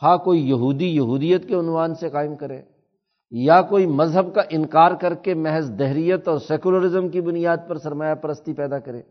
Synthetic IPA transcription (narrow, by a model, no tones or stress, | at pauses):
xaːkoːijɐɦuːd̪ijɐɦuːd̪ijət̪keʊnwaːnseqaːɪmkɐɾḛ̃ː | jakoːimɐzɦəbkaʔɪnkaːɾkɐɾkemɛɦɛsd̪ɛɦɾijət̪ɔːɾsɛːkuləɾɪzəmkibʊnɪjaːd̪̚pɐɾsɐɾmaːjapɐɾəst̪ipɛːd̪akɐɾḛ̃ː